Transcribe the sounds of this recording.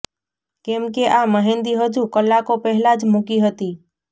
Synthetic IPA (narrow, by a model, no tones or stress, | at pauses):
kẽmkeʔaməɦẽːnd̪iɦəd͡ʒukəlːakopɛɦlad͡ʒmʊkiɦət̪iː